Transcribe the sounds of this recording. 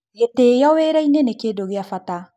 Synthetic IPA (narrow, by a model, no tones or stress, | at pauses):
jetejɔweɾainenekedoɡijafata